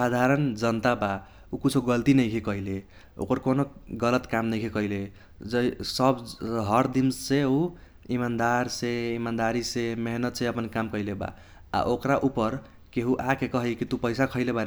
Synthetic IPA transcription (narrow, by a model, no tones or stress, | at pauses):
sad̪ʱaɾənd͡ʒənt̪aba | ukit͡ʃʰoɡəlt̪inəjkʰikʌɦile | o̰kəɾkonoɡələt̪kamnəjkʰikʌɦile | d͡ʒəisəbɦəɾd̪imsseu | imand̪aɾseimand̪aɾisemeɦnət̪sʰeəpənkamkʌileba̰ | a̰ʔokɾaʔupəɾ | keɦuʔakekʌɦəjkit̪upəjsakʰəɪlebaɾ